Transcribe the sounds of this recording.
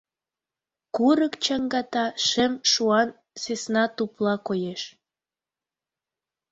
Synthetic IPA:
kuɾəkt͡ɕɑŋɡɑt̪ɑʃemʃuɑn | sesnɑt̪uplɑkojeʃ

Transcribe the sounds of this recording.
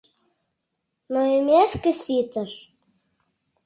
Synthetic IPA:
noemʲæʃkə̆sit̪ə̆ʃ

